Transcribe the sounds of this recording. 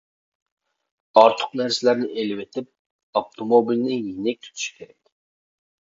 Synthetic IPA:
ɑɾt̪ʰə̥qnæɾsɪlæɾnɪʔelɪwet̪ʰɪp̚ | ɑpt̪ʰomobilnɪjenɛk̚ʲt̪ʰy̥t̪ʰy̥ʃkʲʰeɾɛkʲ

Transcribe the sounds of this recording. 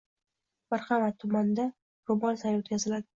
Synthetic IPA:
maɾχamatt̪ʰːʊmand̪a | ɾʊbɒnsajot̪̚kʲʰazɪlad̪ɪ

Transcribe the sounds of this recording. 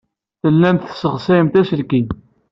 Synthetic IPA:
θəlːæmt̪səʁsæjəmt̪æsəlkin

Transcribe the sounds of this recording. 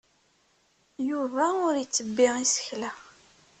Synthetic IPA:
juvæʊɾjət͡sːəbːiʁisə̥çlæ

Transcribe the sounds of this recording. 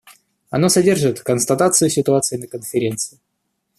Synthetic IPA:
ɐnosɐdʲe̞rʐɨt̪kənst̪ɐt̪at̪sɨjʊsʲɪt̪ʊat̪sɨɪnəkənfʲɪɾʲe̞nt̪sɨɪ

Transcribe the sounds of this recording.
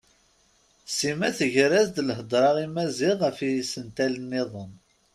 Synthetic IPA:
simæθəʝɾæzd̪lhəd̪ˤɾˤɑʁimæziʁəfisənt̪ælənːɪðˤən

